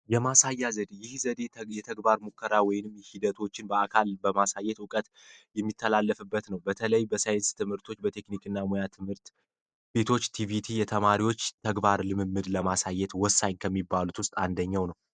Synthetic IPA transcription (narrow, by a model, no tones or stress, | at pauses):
jɛmasajːazəd̪jɪhzəd̪e̞jɛt̪ʰəɡbaɾmukʰːəɾawɔjɪnɨmjɛhid̪ət̪ʰo̞t͡ʃːɪnbəakʰalbəmasajːɛt̪ʊkʼət̪ | jɛmːit̪ʰːəlalːəfɨbːət̪nəwbət̪ʰələjbəsajɪnst̪ʰɨmhɨɾt̪ʰo̞t͡ʃːbət̪ʰe̞knikʼɨnːamojat̪ʰɨmhɨɾt̪ | b̥e̞t̪ʰo̞t͡ʃːt̪ʰivit̪ʰijɛt̪ʰəmaɾiwo̞t͡ʃːt̪ʰəɡbaɾlɨmɨmːɨd̪ləmasajːɛt̪wɔsːaɲkʰəmːibːalut̪wʊst̪ʼand̪əɲːawnəw